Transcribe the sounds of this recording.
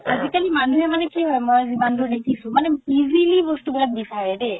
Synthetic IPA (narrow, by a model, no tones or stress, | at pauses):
azikalimanuɦemanekiɦɔemɔziband̪od̪ekʰisũmanebizilibosʈubɛlat̪̚bisaɾeɾe